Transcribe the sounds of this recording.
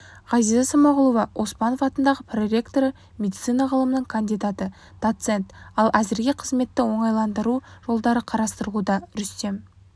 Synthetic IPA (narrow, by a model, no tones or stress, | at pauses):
ʁɑzijzɑsəmɑʁʊlˠuvɑʔo̞spɑno̞fɑt̪ənd̪ɑʁəpʰrɾʲe̞kt̪o̞ɾə | mʲe̞d̪it̪sɨjnɑʁəlˠəmənəɴkʰand̪ijd̪ɑt̪ə | d̪̥o̞t̪se̞nt̪ɑlˠʔæzɪɾɡʲe̞qʰəzme̞t̪ːɪwo̞ɴɑjlˠɑnd̪əɾuʒ̥o̞lˠd̪ɑɾəqʰɑɾɑst̪əɾəʁud̪ɑɾʏst̪e̞m